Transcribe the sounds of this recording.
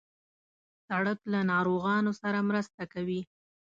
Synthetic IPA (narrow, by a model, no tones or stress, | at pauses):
saɽəklanɑɾoɣɑnosaɾamɾəst̪akawi